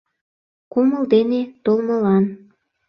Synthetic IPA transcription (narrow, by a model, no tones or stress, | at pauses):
koməlˠd̪enet̪olˠmɤlɑn